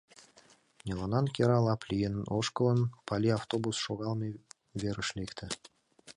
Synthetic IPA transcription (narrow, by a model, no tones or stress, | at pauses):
nʲelˠonɑnkʲeɾɑlˠɑplʲijenənoʃkəlˠənpʰɑlʲiaft̪obusʃoɣɑlˠme | vʲeɾə̆ʃlʲekt̪ʰɘ̆